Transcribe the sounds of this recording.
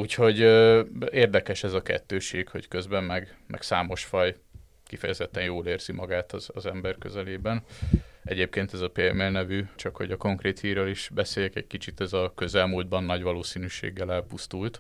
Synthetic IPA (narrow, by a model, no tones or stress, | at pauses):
uːcho̞ɟ | eːrd̪ɛkɛʃɛzɒkɛ̰t̪ːøːʃeːɡho̞̰ckø̞zbɛmːɛɡ | mʔɛ̰ksaːmo̞ʃfɒj | kifɛjɛzɛt̪ːɛnjoːleːrz̥imɒɡaːt̪ɒzɒzɛmbɛrkø̞̰zɛleːbɛnɛɟeːp̚keːnt̪ɛzɒpeɛmɛlnɛvyt͡ʃɒkho̞̰ɟɒko̞ŋkreːt̪hiːrøːliʃbɛseːjɛkɛckit͡ʃit̪ɛzɒkø̞zɛlmuːld̪̚bɒnːɒɟʋɒloːsiːnyːʃḛːɡːɛlɛlpust̪ult̪